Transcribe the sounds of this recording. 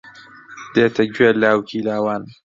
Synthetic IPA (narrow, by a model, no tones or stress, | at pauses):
d̪eːt̪ʰɐɡɥeːlaːwkʰiːlaːwaːn